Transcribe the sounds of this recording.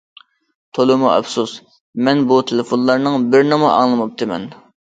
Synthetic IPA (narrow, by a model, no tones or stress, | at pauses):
t̪ʰolˠɨmuʔɛ̰psus | mɛnbut̪ʰɪlɪfonlˠɑɾnɨŋbɪɾnɨmɑʔɑ̰ŋlˠɨmup̚t̪ʰɨmɛ̰n